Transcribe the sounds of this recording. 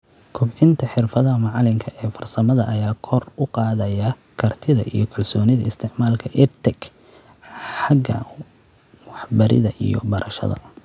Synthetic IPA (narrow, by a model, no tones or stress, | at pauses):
kʰʊbɪnt̪ʰɐħɪrfɐðɐmɑʕlɪŋkʰɐʔɛːfɐrsɐmɐðɐʔɐjaːkʰɔrʊqɑːðɐjɐkʰɐrt̪ʰɪðɐ̰ʔḭjɞkʰɐlsɔːnɪðɐɪst̪ʰɪʕmaːlkʰɐʔɪrt̪ʰɛɡ | ħɑɡɐ̰ | wɑħbɐɾʔɪ̰ðɐʔḭjɔ̰bɐɾʔɐʃɐ̰ðɐ̰